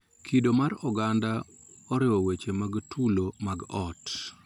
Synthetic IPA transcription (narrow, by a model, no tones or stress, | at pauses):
kʰidomaɾɔɡanda | ɔɾɪwɔwet͡ʃemaɡtʰulomaɡɔt